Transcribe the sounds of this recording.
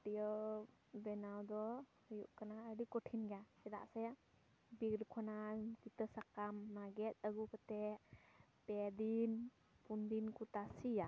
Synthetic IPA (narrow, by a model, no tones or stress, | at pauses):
t̪ijə | bɛnawd̪ɔhəjṵʔkanaəɖikɔʈʰinɡaɛd̪a̰ʔsɛ | bikɾkʰɔnankit̪əsakamnaɡɛt̪̚ˀaɡukət̪ɛʔpɛd̪in | pund̪inkut̪asija